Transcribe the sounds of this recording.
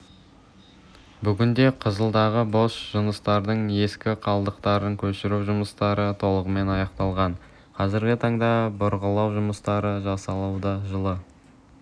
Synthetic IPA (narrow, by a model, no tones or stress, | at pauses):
bʏɡʲɪnd̪e̞qʰəzəlˠd̪ɑʁəbo̞sʒ̥ʊnəst̪ɑɾd̪əɴe̞skʲɪqʰɑlˠd̪əqt̪ɑɾəŋkʲʰɵʃɪɾuwʒʊməst̪ɑɾət̪ʰo̞lˠəʁəme̞nɑjɑqt̪ɑlˠʁɑɴ | qʰɑzɪɾɡʲɪt̪ʰɑɴd̪ɑbʊɾʁəlˠɑwʒʊməst̪ɑɾəʒɑsɑlˠɑwd̪ɑʒəlˠə